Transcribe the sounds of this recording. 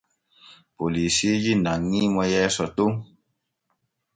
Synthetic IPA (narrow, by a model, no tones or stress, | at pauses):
polisid͡ʒinãŋːimɔjɛsɔto